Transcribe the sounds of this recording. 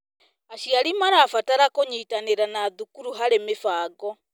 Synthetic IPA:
aɕiaɾimaɾaːfataɾakoɲiːtaneɾanaːðukuɾuɦaɾemefaːɡɔ

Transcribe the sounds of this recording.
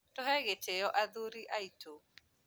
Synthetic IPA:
tɔhɛɣet͡ʃejɔʔaðuɾiʔaitʰo

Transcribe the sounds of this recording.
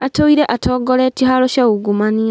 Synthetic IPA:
atoiɾeʔatʰoːɡoletiɦaloʃauɡumania

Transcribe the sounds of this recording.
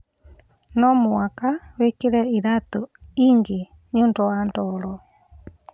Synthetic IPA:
nɔmuwakawekiɾɛiɾat̪uiŋɡi | ɲuntɔandɔɾɔ

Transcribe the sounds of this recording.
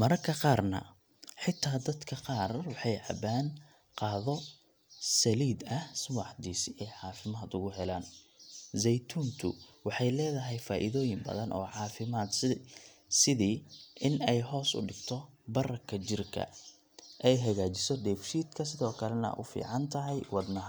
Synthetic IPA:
mɐɾɐkʰɐqɑːrnɐ̰ | ħɪt̪ʰːaːd̪ɐd̪kʰɐqɑːrwɑħɑjʕɐ̰baːn | qɑːðɔ | sɐliːd̪ɐhswɑħd̪iːsɪʔɛjʕɑːfɪmaːd̪ʊɣʊɦɛlaːnzɛjt̪ʰuːnt̪ʰʊ̰wɑħɑjlɛːðɐɦɛjfaːʔɪðɔːjɪmbɐ̰ðɐnʔɔ̰ːʕɑːfɪmaːd̪ | sɪðiːʔɪnɛjɦɔːsʊ̰ɖɪɡ̥t̪ʰɔ | bɐrɐkʰɐt͡ʃɪrkʰɐ̰ | ʔɛjɦɐɣaːt͡ʃɪsɔɖ̪ɛːfʃiːd̪kʰɐsɪðɔːkʰɐlɛnɐ̰ʔʊ̰fḭːʕɑnt̪ʰɐɦɛjwɑd̪nɐ

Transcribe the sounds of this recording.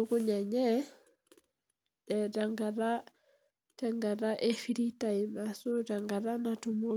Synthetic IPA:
ukuɲaɲɛ | dɛdaŋɡaɾa | taŋɡaɾaʔefiɾitaimasudaŋɡaɾanatumo

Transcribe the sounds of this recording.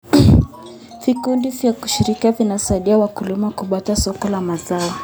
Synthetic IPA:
vikundivjaku̥ʃiɾikiavinasaiɗiawakulimakuɓatasɔkɔlamazaɔ

